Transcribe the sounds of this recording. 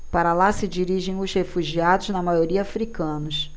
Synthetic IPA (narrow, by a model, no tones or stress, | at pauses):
paɾɐlasɪd͡ʒiɾiʒẽj̃ʊzhefuʒiad̪ʊznɐmajoɾiɐafɾikɐ̃nʊs